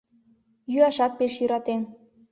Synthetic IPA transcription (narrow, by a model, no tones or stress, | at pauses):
jyɑʃɑt̪̚peʃjyɾɑt̪en